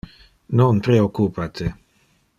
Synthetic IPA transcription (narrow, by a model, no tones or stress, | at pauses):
nonpɾeokːupat̪ʰe